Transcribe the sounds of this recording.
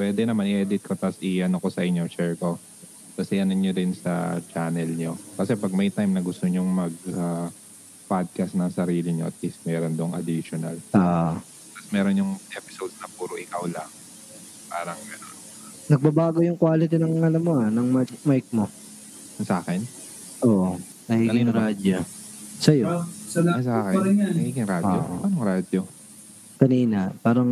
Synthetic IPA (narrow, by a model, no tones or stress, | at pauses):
pwɛːd̪ɛnɐmanʔɪʔɛd̪ɪt̪̚kot̪asʔɪʔɐnoko̞sɐʔɪɲːot͡ʃɛɹko̞ | t̪ɐsɪʔɐnɐnɲːodɪnsɐ̰t͡ʃanɛlɲo̞kɐsɛpɐɡ̚mɐjt̪ajmnɐɡʊst̪oɲoŋmɐɡ̚a | pad̪̚kast̪nɐŋsɐɾiːlɪɲo̞ʔɐ̰t̪̚list̪mɛːɾond̪oŋɐ̰d̪iʃonɐ̰la | t̪asmɛːɾonjʊŋʔɛpɪ̥sod̪̚snɐpuːɾoʔɪkawlɐŋ | pa̰ːɾɐŋmɛɾon | nɐɡ̚bɐbaːɡojʊŋkwaːlɪt̪̬ɪnɐŋɐlɐmoanɐŋmamajk̚mo | sɐʔaːkɛn | ʔoːʔo | nɐɡiːɡɪŋɾaːd̪osɐjoɐsaːkɛaɡiːɡɪŋɾaːdojʔpɐnoŋɾad̪jo | kɐniːnɐpaːɾɐŋ